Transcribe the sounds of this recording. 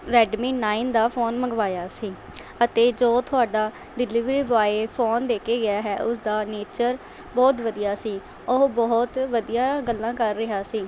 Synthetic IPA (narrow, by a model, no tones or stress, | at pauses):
ɾɛːɖmiːnaːind̪aːpʰoːnməɡʋaːjaːsiː | ət̪eːd͡ʒoːt̪ʰʊaːɖaː | ɖɪliʋɾiːbaːeːpʰoːnd̪eːkeːɡɪjaːɦɛːʔʊsd̪aːneːt͡ʃəɾ | bɔːt̪ʋəd̪ijaːsiː | ʊbɔːt̪ʋəd̪ijãːɡəlːãːkəɾːɪɦaːsiː